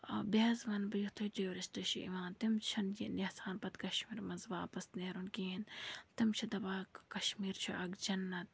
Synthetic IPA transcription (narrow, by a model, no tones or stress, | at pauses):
bʲaːzʋɐnbɐjuht̪ʰod͡ʒɐjoɾist̪ɨʃḭʔḭʋaːnt̪imt͡ʃʰɐnd͡ʒinehsaːnpɐt̪kɐʃmiːɾmɐnzʋaːpɐst̪neːɾunkiːnt̪imt͡ʃʰid̪ɐbaːkkɐʃmiːɾt͡ʃʰuʔɐɡd͡ʒɐnːɐt̪̚